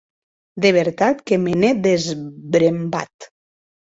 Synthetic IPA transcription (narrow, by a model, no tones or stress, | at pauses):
d̪eβ̞eɾt̪at̪kemeneðezbɾemba̰t̪